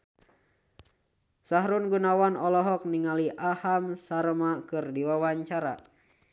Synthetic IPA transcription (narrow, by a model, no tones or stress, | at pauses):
saɦɾunɡunawanɔlɔɦɔk̚niŋaliʔahamsaɾəmakɨrdiwawaɲt͡ʃaɾa̰